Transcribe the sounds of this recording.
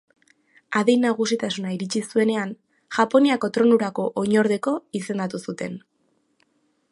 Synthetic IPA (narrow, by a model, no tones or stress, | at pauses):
aðejnːaɣ̞usit̪asunaiɾit͡ʃisue̞ne̞an | ʝ̥apo̞niako̞t̪ɾo̞nuɾako̞ʔoɲo̞ɾðe̞ko̞ise̞nd̪at̪usut̪e̞n